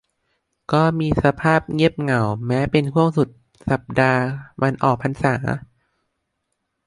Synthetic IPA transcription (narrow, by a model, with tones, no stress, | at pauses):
kɔː˥˩miː˧sa˧pʰaː˥˩p̚ŋi˦˥˩əp̚ŋa˨˩wmɛː˦˥pe˧nkʰu˥˩əŋsu˨˩t̪̚ | sa˨˩p̚daː˧mʔa˧nʔɔː˨˩k̚pʰa˧nsaː˩˦